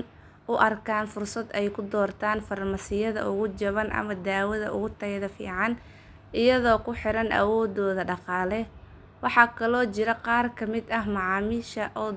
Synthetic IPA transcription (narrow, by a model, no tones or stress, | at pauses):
n | ʔʊʔɐrkʰaːnfʊrsɐd̪ɛjkʰʊd̪ɔːrt̪ʰaːnfɐrmɐsɪjɐðɐ̰ʊɣʊt͡ʃɐβɐnʔɐ̰mɐd̪aːwɐðɐʔʊ̰ɣʊt̪ʰɐɣðɐfḭːʕɑn | ʔɪjɐðɔːkʰʊħɪɾɐnʔɐ̰wɔːd̪ɔːðɐɖɑqɑːlɛ | wɑħɑkʰɐlɔːt͡ʃɪɾɐqɑːrkʰɐmɪd̪ɐɦmɑʕɑːmiːʃɐʔɔː